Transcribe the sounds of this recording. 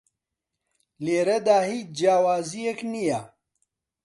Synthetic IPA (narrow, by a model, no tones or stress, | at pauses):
leːɾɐd̪aːhit͡ʃd͡ʒaːwaːzijeknija